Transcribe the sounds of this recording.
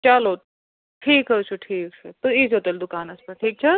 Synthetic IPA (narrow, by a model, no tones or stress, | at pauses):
t͡ɕalot̪ | ʈʰiːkɦət͡ʃʰuʈʰiːk̚t͡ʃʰut̪uit͡sɦot̪əld̪ukaːnəspəʈʰiːk̚t͡ɕʰə